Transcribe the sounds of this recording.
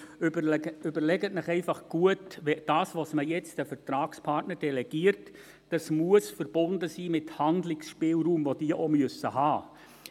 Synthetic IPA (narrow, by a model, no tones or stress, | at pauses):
ʏbəɾlɛɡətnɪχɛɪfɑχɡ̥uətʋɛd̥ɑːsʋosməjɛt͡sd̥əfəɾtɾɑːkspʰɑrtnəɾd̥ɛlɛɡ̥iːəɾt | d̥ɑsmuəsfəɾb̥ʊndəsiːmɪthɑndlɪksʃpɪːlɾuːmvod̥iːəʔomøsəhɑː